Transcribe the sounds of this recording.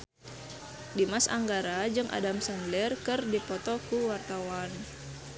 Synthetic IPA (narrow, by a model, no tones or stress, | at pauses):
dimasa̰ŋɡaɾad͡ʒɨŋʔa̰damsanlɛrkɨrdipɔt̪ɔkuwart̪awan